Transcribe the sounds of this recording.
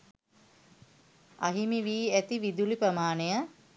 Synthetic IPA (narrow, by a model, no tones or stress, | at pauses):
aɦimiʋiːæt̪iʋid̪ulipɾəmaːnejə